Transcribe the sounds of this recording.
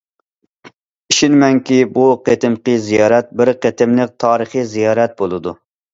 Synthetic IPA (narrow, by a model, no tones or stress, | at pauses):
iʃinmɛŋkʲibuqʰet̪ɪmqɨzijɑːɾɛt̪̚bɪɾqet̪ɪmlˠɪk̚t̪ʰɑːɾəχizijɑːɾɛt̪̚bolˠɨd̪ṵ